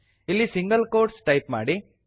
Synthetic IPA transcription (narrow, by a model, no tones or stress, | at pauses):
ilːisiŋɡɐlkoːɾʈsʈɐjpma̰ːɽi